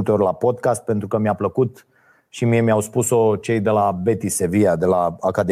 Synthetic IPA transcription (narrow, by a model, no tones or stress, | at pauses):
lt̪eorʲlapo̞d̪kast̪̚pe̞nt̪ɾukəmjapləkut̪ | ʃimie̞mijawspuso̞t͡ʃe̞jd̪e̞labe̞t̪iseviad̪e̞laakad̪e